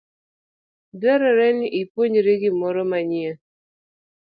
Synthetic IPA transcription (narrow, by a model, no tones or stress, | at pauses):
dɛɾɔɾɛniʔipwoɲɾeɡɪmɔɾɔmaɲiɛ